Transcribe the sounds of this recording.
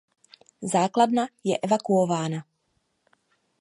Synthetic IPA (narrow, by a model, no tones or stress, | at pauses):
zaːklad̪najɛʔɛvakuɔvaːna